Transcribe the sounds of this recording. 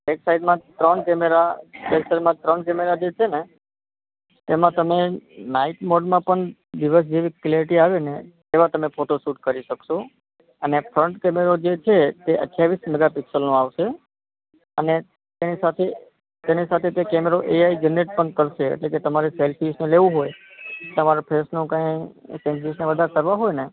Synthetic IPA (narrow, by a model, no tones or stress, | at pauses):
beksaid̪mãt̪ɾəɳkɛmeɾabeksəɾmãt̪ɾəɳkɛmeɾad͡ʒet͡ʃʰene | t̪emãt̪əmenaiʈmoɖmãpəɳd̪iʋəs̬d͡ʒeʋikleɾiʈiaʋenet̪eʋãt̪əmefʰoʈosuʈ̚kəɾiʃəkʃo | ənefʰɾəɳʈkɛmeɾod͡ʒet͡ʃʰet̪eʔə̰ʈʰːjaʋisnəɡapɪksəlnõaʋʃe | əne | t̪enisat̪ʰe | t̪enisat̪ʰet̪ekɛmeɾoʔeaid͡ʒənːeʈ̚pəɳkəɾʃḛːʈleket̪əmaɾeselfʰisneleʋũɦojt̪əmaɾopʰesnũkãjsẽnisneʋəd̪ʱaɾkəɾʋaɦojne